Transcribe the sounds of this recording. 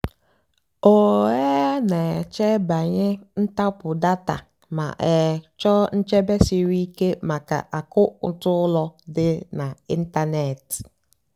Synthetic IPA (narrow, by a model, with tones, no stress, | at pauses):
o˨ɛ˦nɛ˨t͡ʃɛ˦ba˨ɲɪ˦n̩˦ta˦pʊ˨da˦ta̰˨ | ma̰˨ʔɛ˨t͡ʃɔ˦n̩˦t͡ʃɛ˦bɛ˦si˦wi˦ke˦ma˨ka̰˨ʔa˨kʊ˦n̩˦tʊ˦lɔ˦dɪ˦nã˨i˦n̩˦ta˦nɛ˨t